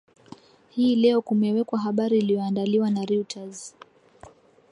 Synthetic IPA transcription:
hiːlɛɔkumɛwɛkwaɦaɓaɾiːlijɔandaliwanaɾiutʰaz

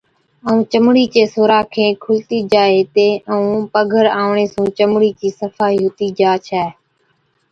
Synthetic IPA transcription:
əũːt͡ʃəmɽiːt͡ʃeːsoːɾaːkʰẽːkʰʊlt̪iːd͡ʒaːeːt̪eːəũːpəɡʱəɾaːʋɳeːsũːt͡ʃəmɽiːt͡ʃiːsəfaːɦiːɦʊt̪iːd͡ʒaːt͡ʃʰɛː

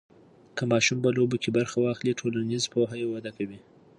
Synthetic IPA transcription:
kəmɑʃumpəlobokebaɾxawɑxliʈʰolanizpoɦajewad̪akawi

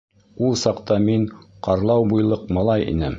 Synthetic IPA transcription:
ulˠsɑqt̪ɑmiɴqɑɾlˠɑwbujlˠɤqmɑlˠɑjḭnɘm

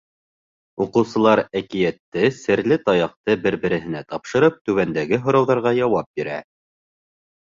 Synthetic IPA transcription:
uqɤ̆wsɤ̆lˠɑɾækijæt̪ːɘsɘ̆ɾlɘt̪ɑjɑq̚t̪ɤbɘɾbɘ̆ɾɘ̆ɦɘ̆næt̪ɑpʃɤ̆ɾɤp̚t̪ʉβænd̪æɡɘɦŏɾɑwðɑɾʁɑjɑwɑp̚biɾæ̰

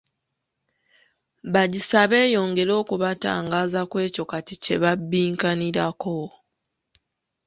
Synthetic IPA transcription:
βaɟisaβe̞ːjo̞ːŋɡe̞ɾo̞ːkuβata̰ːŋɡaːzakwe̞ːco̞katice̞βabːiːŋkaniɾako̞

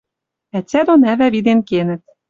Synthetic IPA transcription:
æt͡sʲæd̪onævævid̪enkenɘ̆t̪̚

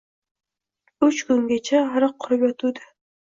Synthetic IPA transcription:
ʉt͡ʃkʊŋɡʲat͡ʃʰaaɾɨqʰːʊɾɨpjɒt̪ʰud̪ɪ

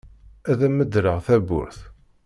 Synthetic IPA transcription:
æðæməd̪ɾəʁθæbʊ̰ɾθ

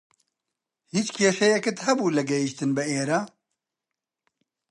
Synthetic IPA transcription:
hiːt͡ʃkʰeːʃɛjɛkɨt̪hɛbuːlɨɡɛjiʃt̪ɨnbɨeːɾaː

